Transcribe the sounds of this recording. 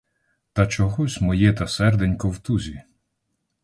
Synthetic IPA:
t̪ɐt͡ʃɔɦɔsʲmɔjɛt̪ɐsɛrd̪enʲkɔwt̪uzʲi

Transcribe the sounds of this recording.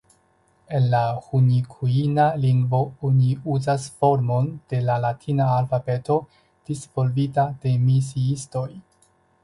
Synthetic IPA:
e̞nlahunikʰuinaliŋɡvo̞oniuzasfo̞ɾmo̞nd̥e̞lalatʰinaːlfabe̞to̞ | d̥isvo̞lvitad̥e̞mis̬iisto̞j

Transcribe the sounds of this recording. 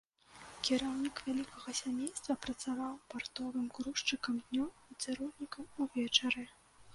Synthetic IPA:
kʲiɾawnʲikvʲalʲikɐɣɐsʲamʲejst̪vɐpɾɐt̪savawpart̪ɔvɨmkɾuʂt͡ʂɨkɐmd̪ʲnʲɔmid͡z̪ʲɨɾɔwnʲikɐmuvʲɛt͡ʂɐɾɨ

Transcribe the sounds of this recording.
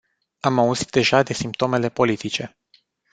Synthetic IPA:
amauzi̥t̪̚d̪e̞ʒad̪e̞simp̚t̪o̞me̞le̞po̞lit̪it͡ʃe̞

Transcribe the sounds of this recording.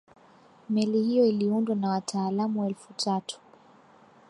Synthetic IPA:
mɛlihijɔiliundwanawatʰaːlamuɛlfutʰatʰu̥

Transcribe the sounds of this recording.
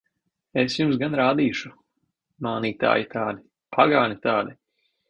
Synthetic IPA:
esjumsɡanɾaːd̪iːʃu | maːniːt̪a̰ːjit̪ʰaːd̪i | pʰaɡaːnit̪aːd̪i

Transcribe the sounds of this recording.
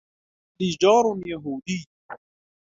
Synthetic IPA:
lid͡ʒaːɾunjɐɦuːd̪i

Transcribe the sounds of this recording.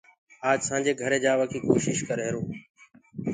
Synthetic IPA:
aːd͡ʒsãːɲd͡ʒeːɡʱəɾeːd͡ʒaːʋaːkʰiːkoːʃɪʃkəɾɦeɾõː

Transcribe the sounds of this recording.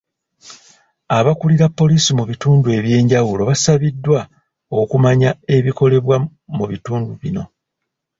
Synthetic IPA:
aβakuliɾapːo̞liːsimuβituːndue̞βje̞ːɲɟawulo̞βasaβidːwa | o̞kumaɲae̞βiko̞le̞βwa | muβituːnduβino̞

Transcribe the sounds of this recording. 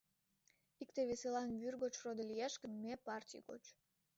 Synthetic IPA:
ikt̪eβeselɑnβyrɡot͡ɕrod̪əlijeʃkənmʲepɑrtʲḭjɡo̰t͡ɕ

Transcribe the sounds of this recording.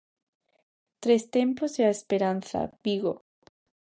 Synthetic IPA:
t̪ɾest̪emploseaespeɾanθa̰biɣo

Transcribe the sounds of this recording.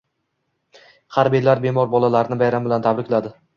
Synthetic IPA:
χɑɾbijlaɾbe̞mɒɾbɒlalaɾɪnɪbajɾambɪlant̪ʰabɾɪkʲlad̪ɪ

